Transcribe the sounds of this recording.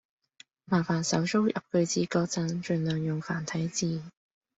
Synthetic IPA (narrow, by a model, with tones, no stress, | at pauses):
maː˨˩faː˨˩nsɐ˨˥wso˥wjɐ̰˨p̚kɵ˧ɥt͡siː˨˥kɔː˧k̚t͡sɐ˨˥nt͡ʃɵ˨nlœː˨ŋjʊ˨ŋfaː˨˩nt̪ʰɐ˨˥jt͡siː˧˩